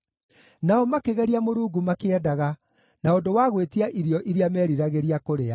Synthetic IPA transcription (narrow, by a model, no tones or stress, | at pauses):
naɔmakeɣɛɾiamoɾuːɡumakeɛdaɣa | naondowaɣwetiaʔiɾjɔʔiɾiamɛːɾiɾaɣeɾiakoɾea